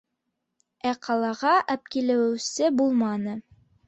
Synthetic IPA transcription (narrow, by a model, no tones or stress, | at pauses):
æqʰɑlˠɑʁɑʔæp̚kilɘ̆wɘ̆wsɘbulˠmɑnɤ